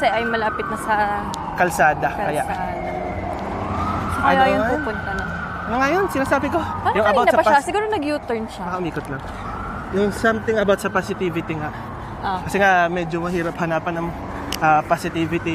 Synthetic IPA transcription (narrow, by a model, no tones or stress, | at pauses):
kɐsɛʔɐjmɐlaːpɪt̪̚nɐsɐ | kɐlsaːd̪ɐkɐjaʔad̪ | ajjʊupʊnt̪ɐnɐn | nɐŋɐjonsɪnaːsaːbɪko̞ɐjʊŋɐbawt̪ɐspʃasɪɡuːɾonɐɡjut̪ɛɹnʃamɐkɐʔʊmiːkot̪lɐŋ | jʊŋsɐmt̪ɪŋʔɐbawt̪sɐpasɪt̪iːvɪt̪ɪŋa | ʔkɐsɛŋaʔmɛd͡ʒomɐhiːɾɐp̚hɐnaːpɐnɐŋ | ʔapasɪt̪iːvɪt̪i